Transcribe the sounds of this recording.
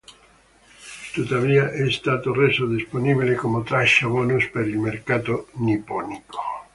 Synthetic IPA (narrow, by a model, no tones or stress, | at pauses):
t̪ut̪ːaviːaʔɛst̪aːt̪oresod̪isponibilekomot̪ɾaʃːabɔːnuspeɾilmerkaːt̪onipɔniko̥